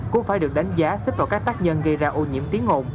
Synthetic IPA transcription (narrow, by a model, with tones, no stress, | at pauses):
kʊ̰˧˥ŋ͡mfaː˧˩jɗɨ˨˩ək̚ɗa˨˦jŋ̟zaː˨˦sə˦˥t̟̚vaː˨˩kaː˦˥k̚t̪aː˦˥k̚ɲə˧nɣə˧jzaː˧ʔo˧ɲḭ˧˨əmt̪i˨˦ənŋo˧˩n